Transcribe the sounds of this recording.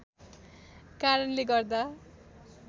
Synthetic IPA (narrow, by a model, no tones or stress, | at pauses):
kaɾʌnleɡʌrd̪a